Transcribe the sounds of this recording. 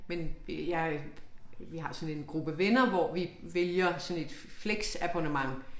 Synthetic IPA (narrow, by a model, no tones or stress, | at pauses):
menjɑ̈ɪ | ʋiɦɑ̈sɒ̽ne̝nɡ̥ʁub̥əʋenɐʋɒʋiʋeljɐsɒ̽ne̝d̥fleɡ̥sæb̥ʰonəmɑ̈ŋ